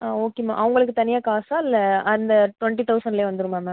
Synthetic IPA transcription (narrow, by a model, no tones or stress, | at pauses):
aːoːkema̰ːʔɐʋɐŋɡɐɭɯk̬ːɯt̪ɐnɪjaːkaːsaːɪlːɐɐnd̪ɐʈʋɐɳʈit̪ɐʊsɐɳɖleːʋɐnd̪ɯɾɯmaːmɛː